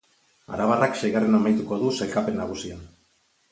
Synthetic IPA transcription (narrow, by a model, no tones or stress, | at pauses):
a̰ɾaβaraksejɣarenamajt̪uko̞ðuselkape̞nːaɣ̞usian